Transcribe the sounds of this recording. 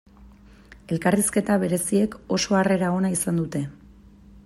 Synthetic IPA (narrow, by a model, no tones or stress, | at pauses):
e̞lkariske̞t̪aβ̞e̞ɾe̞sie̞ko̞so̞are̞ɾao̞naisand̪ut̪e̞